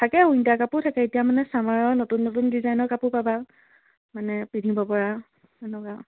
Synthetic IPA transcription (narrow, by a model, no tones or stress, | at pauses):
tʰakɛujntakapʊtʰakɛetijamanɛsamaɹɔɹnotunːotundizajnɔɹkapʊpaba | manɛpidʱibɔpɔɹa | ɛnɔka